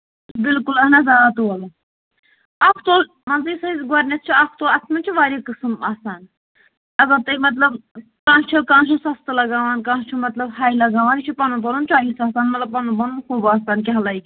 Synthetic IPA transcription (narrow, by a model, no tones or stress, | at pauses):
bilkulɐnɐzaːat̪uɐlɐ | ɐkʰt̪oːl | mɐnziːsɐizɡɔɾʲnʲɐt̪̚t͡ʃʰiakʰt̪oːlɐsmɐnt͡ʃʰiʋaːɾʲikɨsmaːsaːn | ɐɡɐbt̪ɐimɐt̪̬lɐb | kãːʃt͡ʃʰilkãːnt͡ʃʰusɐst̪ɨlɐɡaːʋaːnkãːʃt͡ʃʰumɐt̪lɐbɦaːjlɐɡaːʋaːnit͡ʃʰipɐnupɐnunt͡ʃaːɦisaːsaːnmɐt̪lɐb̚pɐnupɐnunxuːbaːsaːnkiɦɐlajkʲ